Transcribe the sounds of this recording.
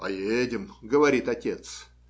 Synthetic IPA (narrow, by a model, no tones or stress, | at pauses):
ɐ̰jedʲɪmɡəvɐɾʲit̪ɐtʲe̞t̪s